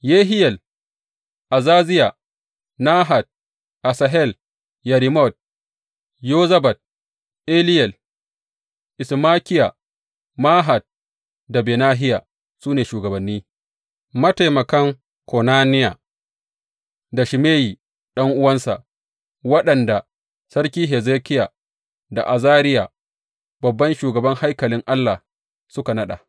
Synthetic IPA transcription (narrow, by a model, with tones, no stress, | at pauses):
jeː˦ɦɪ˦jɛ˨l | ʔa˨zaː˦zɪ˦ja˨ | naː˦ɦa˨t̚ | ʔa˨sa˨ɦɛ˦˨l | jɐ˨ɾi˨mɔ˦˨t̚ | joː˦zɐ˦bɐ˨t̚ | ʔe˦lɪ˦jɛ˨l | ʔɪ˨smaː˦kʲɪ˦ja˨ | maː˦ɦa˨d̚ | da˨beː˨naː˦ɦɪ˦ja˨ | suː˦neː˨ʃuː˨ɡɐ˨bɐ˨nːiː˦ | mɐ˦ta˨jmɐ˨kɐ˦ŋ | kɔ˨naː˦nɪ˦ja˨ | da˨ʃɪ˨meː˦jiː˨ | ɗɐ˦ŋʔʊ˦wɐ˦nsa̰˨ʔ | wɐ˦ɗɐ˨nda˨ | sɐ˦ɾkʲiː˦ɦɛ˨zeː˦kʲɪ˦ja˨ | da̰˨ʔa˨zaː˦ɾɪ˦ja˨ | bɐ˨bːɐ˦nʃuː˨ɡɐ˨bɐ˦ŋha˦jkɐ˨lɪ˦ŋʔa˦lːa˨ | sʊ˦ka˨nɐ˦ɗa̰˨